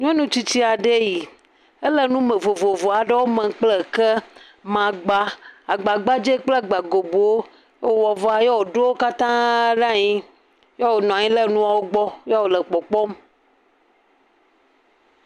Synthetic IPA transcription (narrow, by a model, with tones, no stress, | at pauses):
ɲɔ̃˦nũ˦t͡ɕi˦t͡ɕi˦a˨ɖe˦ji˨ | e˦lɛ˦nũ˦mẽ˨vo˨vo˨vo˨a˨ɖɛ˦wo˦mɛ̃˨k͡plɛ˦kɛ˦ | mã˨ɡ͡ba˦a˨ɡ͡ba˨ɡ͡ba˦d͡ʒe˦k͡plɛ˦˨ɡ͡ba˨ɡo˨bo˨wo˦ | jo˦wɔ˨vɔ˨a˨jɔ˦wo˨ɖo˦wo˦ka˦t̪ã˦ɖã˦˨ɲĩ˦ | jɔ˦wo˨nɔ̃˨a˨ɲĩ˦lɛ˦nũ˦a˨wo˦ɡ͡bɔ˦ja˦wo˨lɛ˨k͡pɔ˨k͡pɔ˦m